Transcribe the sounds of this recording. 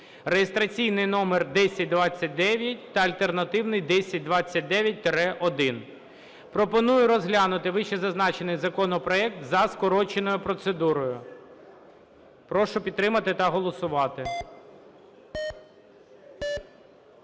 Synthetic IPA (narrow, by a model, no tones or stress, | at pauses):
rejest̪ɾɐt͡sʲijnɪjnɔmerd̪ɛsʲɐt̚ʲd̪ʋɑt͡sʲːɐt̚ʲd̪ɛʋʲjɐtʲt̪ɐɐlʲt̪e̞rnɐt̪ɪwnɪjd̪ɛsʲɐt̚ʲd̪ʋɑt͡sʲːɐt̚ʲd̪ɛʋʲjɐt̚ʲt̪ɾɛʔɔd̪ɪn | pɾɔpɔnujʊɾɔzɦlʲanʊt̪ɪʋɪʃɛzɐznɑt͡ʃenɪjzɐkɔnɔpɾɔɛk̚t̪zɐskɔɾɔt͡ʃenɔjʊpɾɔt̪sed̪uɾɔjʊ | pɾɔʃʊpʲid̪t̪ːɾɪmɐt̪ɪt̪ɐɦɔlˠɔsʊʋɑt̪ɪ